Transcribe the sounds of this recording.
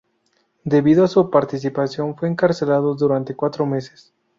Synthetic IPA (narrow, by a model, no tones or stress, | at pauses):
d̪e̞βiðoasupaɾt̪is̬ipasjo̞nfwe̞ːŋkaɾse̞laðoðuɾant̪e̞kwat̪ɾome̞se̥s